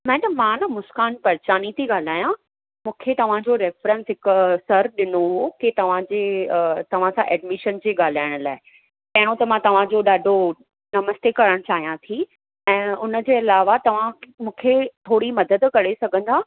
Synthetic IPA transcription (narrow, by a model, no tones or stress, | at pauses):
mɛ̃ːɖəmːãnɐmʊskaːnpɐɾt͡ɕaːnit̪ʰiɠaːl̤aːjã | mũːkʰet̪ɐʋ̤ãd͡ʑoɾɛːfɾə̃nsɦɪksɐɾɗɪnoɦoket̪ɐʋ̤ãd͡ʑeːt̪ɐʋ̤ãsãʔɛːɖmɪʃənd͡ʑeːɠaːl̤aːɪɽ̃ʊlaːɪ | pɐɦɪɽ̃õt̪ɐmãt̪ɐʋ̤ãd͡ʑoɗaːɖʱo | nɐməst̪ekɐɾəɽ̃t͡ɕaːɦijãt̪ʰi | ɛ̃ːʊnə̆d͡ʑeːɪlaːʋat̪ɐʋ̤ãmũːkʰet̪ʰoːɽimɐd̪əd̪kɐɽesɐɡʱə̃nd̪aː